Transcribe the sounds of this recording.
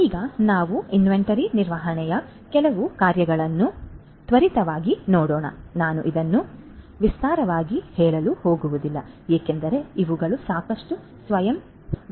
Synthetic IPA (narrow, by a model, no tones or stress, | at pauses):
iːɡɐnaːʋuinʋeɳʈɐɾiniɾʋaːɦɐɳɛjɐ | kɛlɐʋukaːɾjɐɡɐɭɐnːu | t̪ʋɐɾit̪ɐʋaːɡinoːɽɔːɳɐ̰naːnuʔid̪ɐnːu | ʋist̪aːɾɐʋaːɡihɛːɭɐluho̞ːɡuʋud̪ilːɐ | eːkend̪ɐɾe̞iʋuɡɐɭusaːkɐʂʈu | sʋɐjɐm